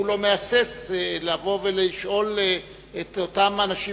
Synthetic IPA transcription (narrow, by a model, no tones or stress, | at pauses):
ulo̞measeslavo̞veliʃʔo̞l | et̪otamanaʃi